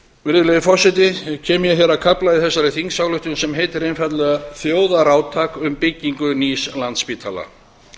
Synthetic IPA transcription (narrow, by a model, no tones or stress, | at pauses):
mɪɾðʏlɛɣɪfɔrsːɛt̪̬ɪcʰɛːmjɛçɛɾakʰaplaiðθɛsːaɾɪθiŋksawlʏht̪ʏnsɛmɦeːjt̪ɪɾejnfat̪lɛɣaθjoːwðaɾaːwt̪ʰaːkʏmpɪcːiŋkʏniːslant̪spiːt̪ʰala̰